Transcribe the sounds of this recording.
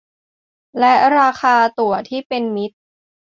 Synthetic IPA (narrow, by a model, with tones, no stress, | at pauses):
lɛ˦˥ʔɾaː˧xʰaː˧t̪u˨˩ɐt̪ʰiː˥˩pe˧nmi˦˥t̪̚